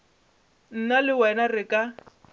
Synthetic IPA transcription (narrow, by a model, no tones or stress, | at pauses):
n̩nalɪwɛnarɪkʼa